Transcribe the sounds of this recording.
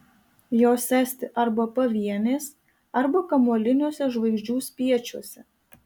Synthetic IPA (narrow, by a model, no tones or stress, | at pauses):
joːsʲæˑsʲt̪ʲɪʔɐɾbɐpɐʋʲiɛnʲeːs | ɐɾbɐkɐmolʲɪnʲuɔsʲɛʒʋɐɪʒʲd͡ʒʲuːsʲpʲiɛt͡ʃʲuɔsʲɛ